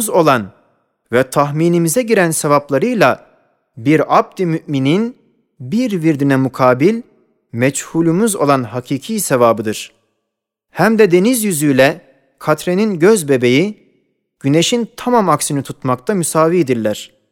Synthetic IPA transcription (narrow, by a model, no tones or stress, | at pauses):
zo̞lˠan | vɛt̪ʰaɦmiːnimizɛɟiɾænsevaplˠaɾɯjlˠa | biɾab̚d̪imyʔminin | biɾviɾd̪inɛmukʰaːbilʲ | mɛt͡ʃhulʲˠumyzo̞lˠanɦacʰiːcʰiːsɛvaːbɯd̪ɯɾ̥ | hæmd̪ɛd̪e̞nizjyzyjlʲɛ | kʰat̪ʰɾe̞ninɟøzbe̞be̞ji | ɟ̥yneʃint̪ʰamamaksinit̪ʰut̪makt̪ʰamysaːvied̪iɾlʲæɾ̥